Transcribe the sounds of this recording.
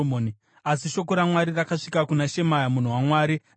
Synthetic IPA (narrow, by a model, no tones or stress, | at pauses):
moːni | asiʃo̞ko̞ɾamwaɾirakaʂikakunaʃe̞majamun̤uwamwaːɾi